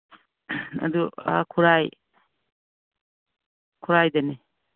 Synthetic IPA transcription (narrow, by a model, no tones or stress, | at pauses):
ɐ̰dua̰kʰuɾaj | kʰuɾajdɐne